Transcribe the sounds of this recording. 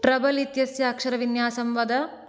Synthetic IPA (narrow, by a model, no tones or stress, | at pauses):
ʈɾɐbɐlit̪jɐsjɐːkʂɐɾɐʋinjaːsɐmʋɐd̪ɐ